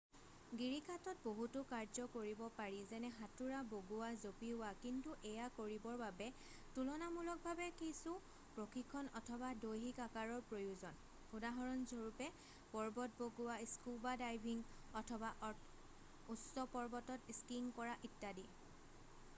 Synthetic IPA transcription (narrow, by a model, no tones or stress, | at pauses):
ɡiɹikʰatɔt̚boɦutʊkaɹzɔkoɹibɔpaɹizɛnɛɦatuɹaboɡuwazopiʊwakintuʔɛjakoɹibɔɹbabɛ | tulɔnamulɔk̚bʱabɛkisʊ | pɹokʰikʰːɔnɔtʰɔbadojɦikakaɹɔɹpɹojuzɔn | xudaɦɔɹɔnzoɹupɛ | pɔɹbɔt̚boɡʊwaiskubadajbʱiŋ | ɔtʰɔbaʔɔ | ussɔpɔɹbɔtɔtiskiŋkɔɹaʔitːadi